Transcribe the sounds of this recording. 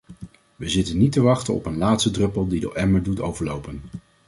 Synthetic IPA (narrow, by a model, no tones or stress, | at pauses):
ʋəzɪtənːitəʋɑχtənɔ̰pənlaːtstədrɵpəlˠdidə̰ʔɛməɹdutowvəɹlowpən